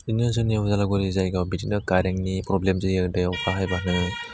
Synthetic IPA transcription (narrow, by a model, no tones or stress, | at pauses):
inunsɯnːiuzalaɡɔɾizajɡawbitinɯkaɾeŋnipɾɔblemzɯɯdajɔtʰaɦajbanɯ